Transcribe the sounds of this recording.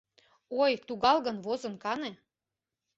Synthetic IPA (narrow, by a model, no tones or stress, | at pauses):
ojt̪uɣɑlˠɣɤ̆nvozɤ̆nkɑne